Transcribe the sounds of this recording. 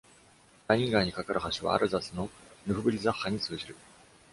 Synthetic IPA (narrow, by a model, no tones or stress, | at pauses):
d̪aɲʲĩŋɡaiɲ̟ikakaɾɯ̟haɕiβa̰ːɾʔɯ̟zasɨno̞nɯ̟ɸɯ̟bɯɾʲizahːaɲ̟it͡sɨɯɕiɾɯ̟